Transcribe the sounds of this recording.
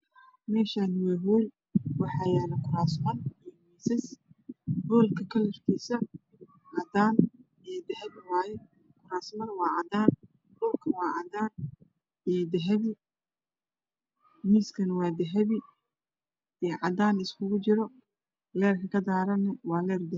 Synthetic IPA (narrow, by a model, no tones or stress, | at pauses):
mɛːʃanɪwɛːɦɔːl | wɑħɑjaːnɐkʰʊɾaːsmɐnɛmiːsɛs | bɔːlkʰɐkʰɐlɛrt̪ʰiːsɐ | ʕɑd̪aːn | ɛd̪ɐɦɛβɪwaːjɛ | kʰʊɾaːsmɐnwɑːʕɑd̪aːn | ɖʊlkʰɐwɑːʕɑd̪aːn | ɛd̪ɐɦɛβɪ | miːskʰɐnɐwɑːd̪ɐɦɐβɪ | ɛʕɑd̪aːnɪskʰʊɣʊt͡ʃɪɾɔ | lɛːrkʰɐkʰɐd̪aːɾɐnɐwɑːlɛːrd̪ɛ